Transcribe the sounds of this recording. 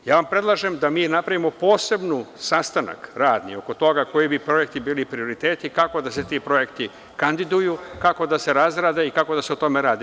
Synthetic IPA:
jaːʋampɾe̞d̪lˠaʒemd̪amiːnapɾaʋimo̞po̞ːse̞bnusast̪ana̰kɾaːd̪nḭo̞ko̞t̪o̞ɡako̞jibipɾo̞je̞k̚t̪ibiːlipɾio̞ɾit̪eːt̪ikako̞d̪ase̞t̪ipɾo̞je̞kt̪i | kand̪id̪ujukako̞d̪ase̞ɾazɾaːd̪e̞ikako̞d̪aseot̪o̞meɾaːd̪i

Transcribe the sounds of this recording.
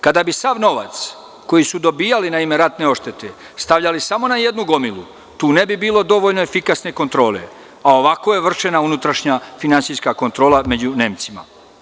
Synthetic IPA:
kad̪abisaʋno̞ʋa̰t̪s | ko̞jisud̪o̞biːjalinaime̞ɾat̪ne̞o̞ʃt̪e̞t̪e̞ | st̪aʋʎalisamo̞naje̞d̪nuɡo̞milṵ | t̪uːne̞bibiːlo̞d̪o̞ʋo̞ʎnoefikasne̞ko̞nt̪ɾo̞ːle̞̰ | ao̞ʋako̞je̞ʋr̩ʃe̞naunut̪ɾaʃɲafinansijskako̞nt̪ɾo̞ːlˠame̞d͡ʑune̞ːmt̪sima̰

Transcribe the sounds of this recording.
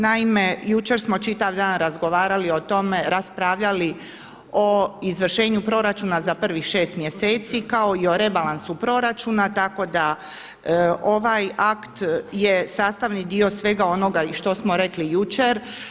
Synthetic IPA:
naime̞jut͡ʃe̞ɾsmot͡ʃit̪aʋd̪aːnɾazɡo̞ʋaːɾalio̞t̪o̞meɾaspɾaʋʎali | o̞izʋr̩ʃe̞ːɲupɾo̞ɾat͡ʃuːnazapr̩ʋixʃe̞ːst̪mje̞se̞ːt̪sikao̞io̞ɾe̞balˠansupɾo̞ɾat͡ʃunat̪ako̞d̪a | o̞ʋajakt̪je̞saːst̪aʋnid̪io̞sʋe̞ɡao̞no̞ɡaiʃt̪o̞smo̞ɾe̞klijut͡ʃeɾ

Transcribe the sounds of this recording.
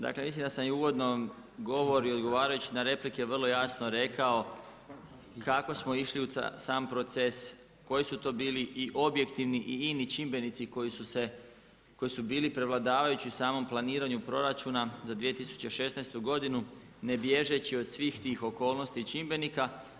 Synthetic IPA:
d̪a̰klemislimd̪asamjuʋo̞d̪no | ɡo̞ʋo̞ɾio̞d̪ɡo̞ʋaːɾajut͡ɕinaɾe̞plike̞ʋər̩lˠo̞jaːsnoɾe̞kao̞ | kako̞smo̞iʃliṵsaːmpɾo̞t̪se̞s | ko̞jisut̪o̞ːbiːliiʔo̞bje̞kt̪iʋniʔiinit͡ʃimbe̞nit̪siko̞jisuse̞ | ko̞jisubiːlipɾe̞ʋlˠad̪aːʋajut͡ɕiusaːmo̞mplˠaniːɾaɲupɾo̞ɾat͡ʃunazad̪ʋije̞t̪isu̥t͡ɕeʃe̞snajst̪uɡo̞d̪inu | ne̞bje̞ʒe̞t͡ɕio̞d̪sʋiːxt̪iːxo̞ko̞ːlˠno̞st̪it͡ʃimbe̞nika

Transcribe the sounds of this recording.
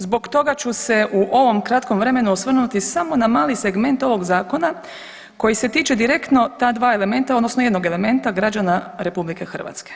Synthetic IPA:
zbo̞ɡt̪o̞ɡat͡ɕuse̞ʔuʔo̞ʋo̞mkɾat̪ko̞mʋɾe̞me̞nuosʋr̩nut̪isamo̞namaːlise̞ɡme̞nt̪o̞ʋo̞ɡzaːko̞na | ko̞jise̞t̪iːt͡ʃe̞d̪iɾe̞kt̪no̞t̪aːd̪ʋaːele̞me̞nt̪aod̪nosnoje̞d̪no̞ɡe̞le̞me̞nt̪aɡɾad͡ʒanaɾe̞publike̞xr̩ʋa̰t̪ske̥

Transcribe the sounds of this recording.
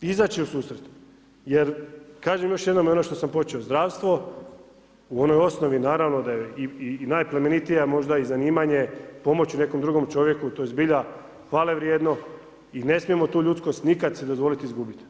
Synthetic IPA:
izaːt͡ʃiusuːsɾet̪ | jeɾkaːʒemjo̞ʃje̞d̪nomjeo̞noʃt̪o̞sampo̞t͡ʃeo̞zd̪ɾaːʋst̪ʋo̞ | uo̞no̞jo̞sno̞ʋinaːɾaʋno̞d̪ajeiinajplemenit̪ijamo̞ʒd̪aizaniːmaɲe̞po̞mo̞t͡ɕune̞ko̞md̪ɾuɡo̞mt͡ʃo̞ʋje̞kut̪ojezbiʎa | xʋaːleʋɾjed̪no̞ | ine̞smije̞mo̞t̪uːʎut̪sko̞st̪nikad̪sed̪ozʋo̞lit̪izɡubit̪

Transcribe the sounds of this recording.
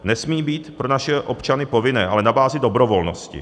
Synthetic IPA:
nɛsmiːbiːt̪pɾo̞naʃɛʔo̞pt͡ʃanɪpo̞vɪnɛ̰ːʔalɛnabaːzɪdo̞bɾo̞vo̞lno̰scɪ̰

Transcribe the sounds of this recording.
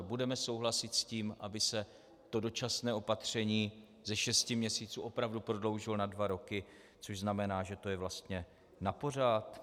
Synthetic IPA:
budɛmɛso̞wɦlasɪt̪sciːmʔabɪsɛ | t̪o̞do̞t͡ʃasnɛːo̞pat̪r̝̥ɛɲiː | zɛʃɛscɪmɲɛsiːt͡suːʔo̞pɾavdupɾo̞dlo̞wʒɪlonadvaɾo̞kɪ | t͡soʒznamɛnaːʒɛt̪o̞jɛvlast̪ɲɛ | napo̞r̝at̪

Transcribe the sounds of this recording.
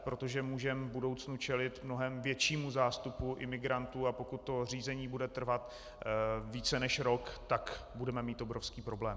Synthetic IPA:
pɾo̞t̪o̞ʒɛmuːʒɛmvbudo̞wt͡snut͡ʃɛlɪt̪mno̞ɦɛmvjɛt͡ʃiːmuzaːst̪upuʔɪmɪɡɾant̪uːapo̞kut̪̚ːo̞r̝iːzɛɲiːbudɛt̪r̩vat̪ | viːt͡sɛnɛʃɾo̞kt̪akbudɛmɛmiːt̪obɾofskiːpɾo̞blɛːm

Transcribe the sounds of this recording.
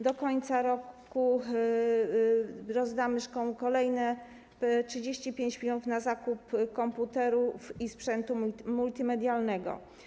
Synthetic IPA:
d̪ɔkɔɲt̪saɾɔk | u | ɾɔzd̪amɘʂkɔ̃w̃kɔlɛjnɛ | tʂɘd͡ʑeɕt͡ɕipʲjeɲt͡ɕmʲɔnufnazakupkɔmput̪ɛɾufispʂɛnt̪umult̪ʲimɛd̪ʲjalnɛɡɔ̰

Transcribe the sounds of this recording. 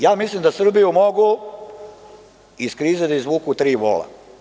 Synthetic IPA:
jaːmislimd̪asr̩bijumoɡu | iskɾiːzed̪aizʋuːkut̪ɾiːʋo̰la̰

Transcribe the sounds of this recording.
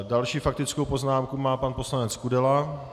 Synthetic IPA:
dalʃiːfak̚t̪ɪt͡skowpo̞znaːmkumaːpanpo̞slanɛt͡skudɛla

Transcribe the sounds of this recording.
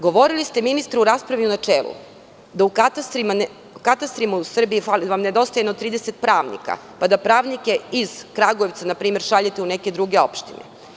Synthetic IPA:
ɡo̞ʋo̞ɾilist̪eminist̪ɾuɾaːspɾaʋiunat͡ʃeːlˠṵ | d̪aukat̪ast̪ɾiman | kat̪ast̪ɾimausr̩biifaliʋamned̪o̞st̪ajenot̪ːɾiːd̪eset̪̚pɾaːʋnḭka̰ | pad̪apɾaːʋnike̞iz̥kɾaɡoeʋt̪sanapɾiːme̞ɾʃaʎet̪euneke̞d̪ɾuɡe̞o̞̰pʃt̪ine

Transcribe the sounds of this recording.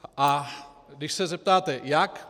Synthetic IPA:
adɪʃsɛzɛp̚t̪aːt̪ɛjak

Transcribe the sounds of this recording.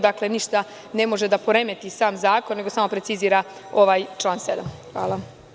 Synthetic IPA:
d̪akle̞niʃt̪a | ne̞mo̞ʒed̪apoɾe̞me̞t̪isaːmzaːkonːeɡosaːmo̞pɾe̞t̪siziːɾao̞ʋaːjt͡ʃlˠaːnsed̪amxʋa̰ːlˠa

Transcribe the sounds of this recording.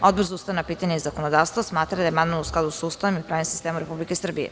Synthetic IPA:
od̪̚brzoust̪aʋnapiːt̪aɲeizako̞nod̪aːʋst̪vosmaːt̪ɾad̪ajemand̪manusklad̪usust̪aʋemipɾaːvimsi̥st̪eːmumɾe̞publikesr̩bijḛ

